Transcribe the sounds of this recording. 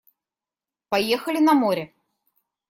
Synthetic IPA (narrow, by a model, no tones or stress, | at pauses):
pajɛxɐlʲinɐmɔɾʲɛ